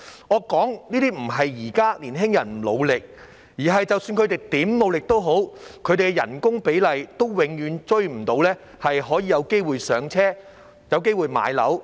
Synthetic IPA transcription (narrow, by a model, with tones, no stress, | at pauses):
ŋɔː˨˧kɔː˨˥ŋniː˥t̪iː˥m̩˨˩ɦɐ˨jjiː˨˩kaː˥liː˨˩nɦɪ˥ŋjɐ˨˩n˨˩lo˨˧wlɪ˨k̚ | jiː˨˩ɦɐ˨jt͡sɐ˨wsyː˧nkʰɵ˨˧ɥt̪e˨jt̪iː˨˥mlo˨˧wlɪ˨k̚t̪o˥wɦo˨˥wkʰɵ˨˧ɥɾe˨ɡɛ˧jɐ̰˨˩nkʊ˥ŋpe˨˥jlɐ˨jt̪o˥wwɪ˨˧˥ŋjyː˨˧nt͡ʃɵ˥ɥm̩˨˩t̪o˧wlɛː˥ | hɐ˨jɦɔː˨˥jiː˨˧jɐ˨˧wke˥jwuː˨jsœː˨˧ŋt͡sʰɛː˥ | jɐ˨˧wke˥jwuː˨˧jma̰ː˨˧˥jlɐ̰˨˥w